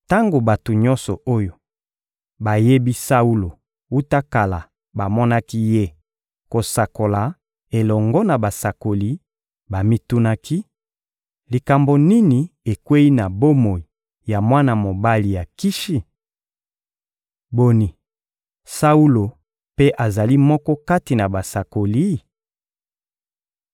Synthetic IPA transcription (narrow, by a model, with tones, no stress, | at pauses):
ta˦ŋɡo˨ba˨to˨ɲɔ˦nsɔ˨ʔo˦jo˨ | ba˨je˦bi˦sa˦u˦lo˨ | u˦ta˦ka˨la˨ | ba˨mɔ˦na˦ki˦je˦ | ko˨sa˨ko˨la˨ | e˨lɔ˨ŋɡɔ˦na˨ba˨sa˨ko˨li˨˦ | ba˨mi˦tu˦na˦ki˦ | li˨ka˨mbo˨ni˦ni˨e˨kwe˦i˦na˨bo˦mo˨i˨ | ja˨mwa˦na˨mo˨ba˦li˨ja˨ki˦ʃi˦ | bo˨ni˨ | sa˦u˦lo˨ | pe˦ʔa˨za˨li˦mɔ˦kɔ˦ka˦ti˨na˨ba˨sa˨ko˨li˦